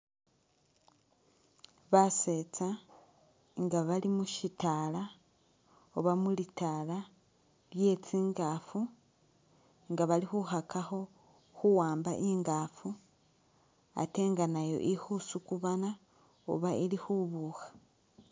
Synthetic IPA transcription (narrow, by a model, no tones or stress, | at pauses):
βase̞t͡sa | ŋɡaβalimuʃitala | oβamulitaːla | lje̞t͡siːŋɡafu | ŋɡaβalixuhakaho̞ | xuwaːmbaʔiŋɡaːfu | a̰te̞ŋɡanajo̞̰ʔihusukuβana | o̰βailixuβuxḁ